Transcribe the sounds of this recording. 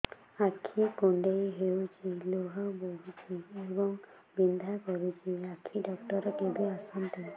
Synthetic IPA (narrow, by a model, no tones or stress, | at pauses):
akʰːikoɳɖejɦewt͡ʃiloɦaboɦut͡ʃʰiebɔŋ | bind̪ʱakɔɾut͡ʃʰiakʰiɖɔkʈɔɾɔkebiasɔnt̪i